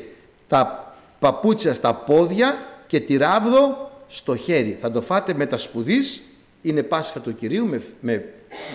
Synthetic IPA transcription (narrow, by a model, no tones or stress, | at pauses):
t̪ɐ | pɐput͡sçɐst̪ɐpo̞ðʝɐce̞t̪iɾɐvðo̞st̪o̞çe̞ɾiθɐd̪o̞fɐt̪e̞me̞t̪ɐspuðis | ine̞pɐsxɐt̪uciɾiumeme